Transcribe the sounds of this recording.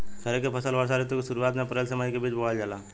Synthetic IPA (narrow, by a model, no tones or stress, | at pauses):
kɐɾekepʰəsəlʋəɾs̬aɾet̪okesʊɾuaːt̪mẽpəɾelsəməd͡ʒkebiːt͡ʃboad͡ʒaːla